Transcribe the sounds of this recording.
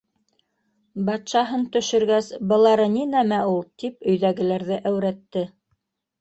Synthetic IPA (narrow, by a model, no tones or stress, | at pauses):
bɑt̪ʃɑɦɤnt̪ɵ̆ʃɵ̆ɾɡæsbɤ̆lˠɑɾɤninæmæulˠt̪ipɵ̆jðæɡɘ̆læɾðɘʔæwɾæt̪ːɘ